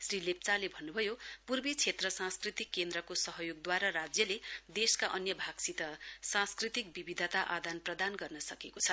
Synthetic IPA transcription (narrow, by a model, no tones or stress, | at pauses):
srilep̚t͡salebʱʌnːubʱʌjopurbet͡sʰet̪rʌsãskrit̪ikːend̪ɾʌkosʌɦʌjoɡ̚d̪waɾaɾad͡zjʌled̪eskaʔʌnjʌbʱaɡsit̪ʌsãskrit̪ik̚bibid̪ʱʌt̪aʔad̪anprʌd̪anɡʌrnʌsʌkekot͡sʰʌ